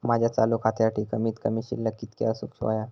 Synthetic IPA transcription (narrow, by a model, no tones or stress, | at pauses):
mad͡ʑʱjat͡salukʰat̪jaʈʰiːkəmiːt̪kəmiːɕḭlːəkiːt̪kḛəsuksa̰ja